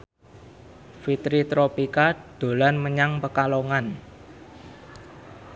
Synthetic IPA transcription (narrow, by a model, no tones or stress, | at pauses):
fit̪ɾit̪ɾopikaɖ̪̥o̤lanməɲaŋpəkaloŋan